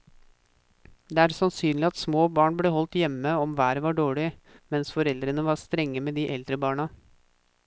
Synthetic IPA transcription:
d̪ɛːæːɾsɑnsyːnlɪɑt̪smoːbɑːɳbleːhɔlt̪jɛmːəɔmʋæːɾəʋɑɖoːɭɪmɛnsfɔɾɛld̪ɾənəʋɑɾst̪ɾɛŋːəmeːd̪iːʔɛld̪ɾəbɑːɳɑ

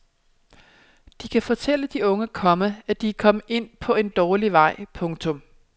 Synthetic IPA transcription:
d̥ikʰæfɒ̽t͡sʰel̰əd̥iɔ̽ŋəkʰɒ̽məæd̥ikʰɒ̽məe̝n̰pʰɒ̽e̝nd̥ɒːliʋɑ̈ɪ̰pʰɔ̽ŋt͡sʰɔ̽m

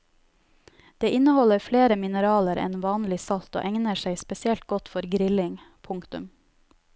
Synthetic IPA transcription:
d̪̥eːʔɪnəhɔləɾfleːɾəmɪnəɾɑːləɾɛ̰nʋɑːnlɪsɑlt̪o̰ːʔɛŋnəʃæɪspɛsɪɛlt̪̚ɡɔt̪fɔɾɡɾɪlɪŋ | pʰʊŋkt̪ʉ̰m

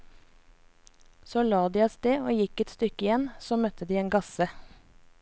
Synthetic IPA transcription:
soːlɑːd̪iːɑst̪eːoːjɪkɛt̪st̪ʏkɪjɛnsoːmœt̪ʰəd̪iːeːnɡɑsə

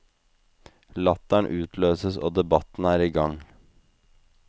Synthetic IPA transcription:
lɑt̪æɳʔʉːt̪ʰløːsəso̰ːd̪ɛbɑt̪n̩æːɾiːɡɑŋ

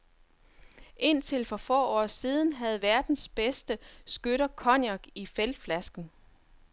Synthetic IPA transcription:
ʔe̝n̰t͡sʰe̝lfɒ̽fɒ̰ːɒ̰ːsiːð̞ˠn̩ɦæð̞̩ˠʋæɐd̥n̩sb̥esd̥əsɡ̥øɾ̥ɐkʰɒ̽njɑɡ̥ifeld̥flæsɡ̥n̩

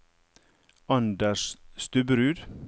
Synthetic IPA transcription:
ɑnd̪əʃst̪ʉbəɾʉːd̪

